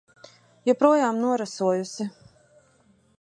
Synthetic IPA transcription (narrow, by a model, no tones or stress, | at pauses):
jɔpɾuɔjaːmnuɔɾasuɔjusi